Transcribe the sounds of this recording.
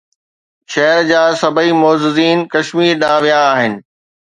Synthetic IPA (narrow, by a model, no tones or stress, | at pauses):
ʃɐɦəɾd͡ʑaːsɐbʱəimoːzɪziːnkɐʃmiːɾɗaːʋijaːɦɪnɪ̆